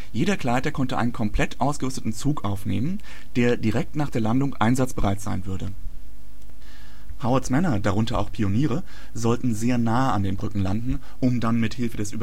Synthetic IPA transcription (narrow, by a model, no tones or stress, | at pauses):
jeːɾɐkʰl̥aɪtɐkʰɔntəʔa̰ɪnənkʰɔmpl̥ɛtʰʔaʊsɡ̥əʁʏstətn̩t͡suːkʔaʊfneːmən | d̥eːɐdiʁɛk̚tnaːχd̥eːɐlandʊŋʔaɪnzat͡sb̥əʁaɪtz̥a̰ɪnvʏɐdə | haʊɐsmɛnɐdaʁʊntɐa̰ʊxpʰioniːʁə | zɔltn̩zeːɐnaːəandeːnbʁʏkŋ̩landn̩ | ʔʊmdanmɪthɪlfədɛsʔy̰ːb